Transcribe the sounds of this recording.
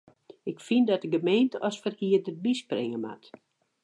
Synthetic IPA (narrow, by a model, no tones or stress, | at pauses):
ɪkfindɔtəɡəmejntəʔɔsfərkiədərbisprɪ̰ŋəma̰t